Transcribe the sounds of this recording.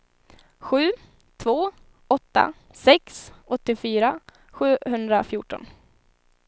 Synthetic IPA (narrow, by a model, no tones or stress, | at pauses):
ɧʉ̟ː | t̪ʰvoː | ɔt̪ːa̰ | sɛksɔt̪ːɪfyːɾa | ɧʉ̟ːhɵnd̪ɾafjuːʈɔ̰n